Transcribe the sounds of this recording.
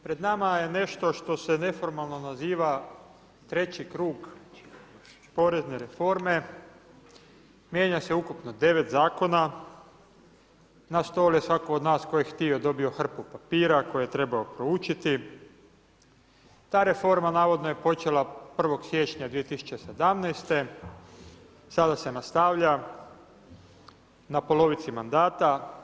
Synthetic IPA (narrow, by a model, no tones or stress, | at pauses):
pɾe̞d̪namaje̞ne̞ʃt̪o̞ʃt̪o̞se̞ne̞fo̞ɾmalˠno̞naziːʋa | t̪ɾe̞t͡ɕikɾuːɡ | po̞ːɾe̞zne̞ɾe̞fo̞ɾme̞ | mje̞ːɲase̞ukupnod̪e̞ʋe̞t̪zaːko̞na | nast̪oːljesʋakood̪naːsko̞jjxt̪iod̪o̞bio̞xr̩pupapiːɾako̞jejet̪ɾe̞baopɾo̞ut͡ʃit̪i | t̪aːɾe̞fo̞ɾmanaːʋo̞d̪noje̞po̞t͡ʃe̞lˠapr̩ʋo̞ɡsje̞t͡ʃɲad̪ʋijet̪isu̥t͡ʃese̞d̪amnɛjst̪e̞ | sad̪ase̞nast̪aʋʎa | napo̞lo̞ʋit̪simand̪aːt̪a